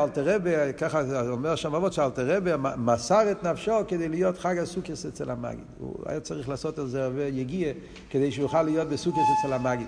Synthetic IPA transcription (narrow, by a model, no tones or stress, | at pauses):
alˠtəʁɛbekaχaaɔlmɛʁʃɔmavɔtʃɪalˠtəʁɛbəamasaʁətnafʃɔkədeɪlˠəjɔtχaɡasukəsɛt͡sɛlama̰ɡḭtṵa̰jat͡saʁiχlˠasotaszɛʁvɛjeɡiə | kədeɪʃəjuχaləjɔt̚bɪsukəsɛt͡sɛlamaɡit